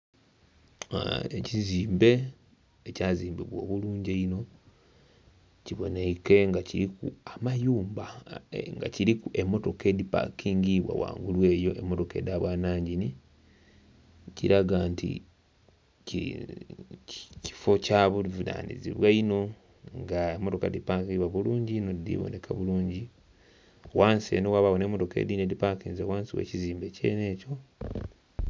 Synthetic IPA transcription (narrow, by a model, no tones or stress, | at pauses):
eciziːmbe̞ | ecaːziːmbiβwo̞̰ːβuluːɲɟeino̞ | ciβo̞ne̞ke̞ŋɡaciɾikṵamajuːmbaŋɡa̰ciɾikuʔemːo̞to̞ke̞ːdipa̰kːiːŋɡiβwa̰wa̰ːŋɡulwe̞ːjo̞ʔe̞mːo̞to̞ke̞̰daβwaːnaːɲɟini | ciɾaɡaːntḭ | c | ci̥fo̞caβuvuda̰ːnḭzḭβwaino̞ | ŋɡaemːo̞to̞ka̰dipakiβwaβuluːɲɟinod̪ḭβo̰ne̞kʰa̰βuluːɲɟi | waːnsḛnowaβaβonemːoto̞ke̞̰dinedipakinzewaːnsiwḛːciziːmbe̞ce̞̰ne̞ːco̞